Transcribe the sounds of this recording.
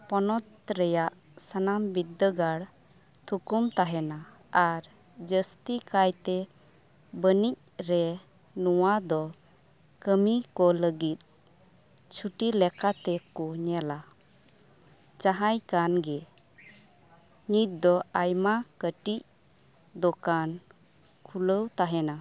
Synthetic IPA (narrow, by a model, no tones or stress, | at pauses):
pɔnɔt̪̚ɾɛjaʔ | sanambid̪ːəɡaɽ | t̪ʰukumt̪aɦɛna | aɾ | d͡ʒəst̪ikajt̪ɛ | bənic̚ɾɛ | nɔwad̪ɔ | kəmikɔləɡit̪̚ | t͡ʃʰuʈilɛkat̪ɛkɔɲɛla | t͡ʃaɦajkanɡɛ | ɲit̪̚d̪ɔajmakəʈic̚ | d̪ɔkan | kʰuləwt̪aɦɛna